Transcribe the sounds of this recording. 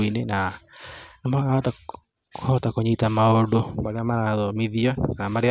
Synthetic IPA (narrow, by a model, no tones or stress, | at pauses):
inena | namaɣaɔta | hɔtakoɲitamaodomaɾeamaɾaðɔmiðiɔaamaɾea